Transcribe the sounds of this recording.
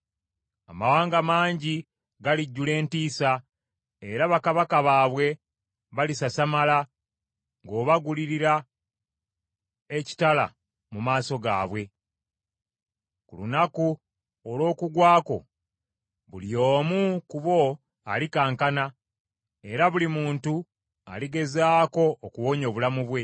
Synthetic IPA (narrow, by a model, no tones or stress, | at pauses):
amawaːŋɡamaːɲɟi | ɡaliɟːule̞ːntiːsa | eɾaβakaβakaβaːβwe̞ | βalisasamala | ŋɡo̞ːβaɡuliɾiɾa | e̞ci̥tala̰ | mumaːso̞ɡa̰ːβwe̞ | kulunaku | olo̞ːkuɡwaːko̞̰ | βulio̞ːmukuβo̞ | a̰likaːŋkana | e̞ɾaβulimuːntu | a̰liɡe̞zaːko̞ːkuwo̞ɲo̞ːβulamuβwe̞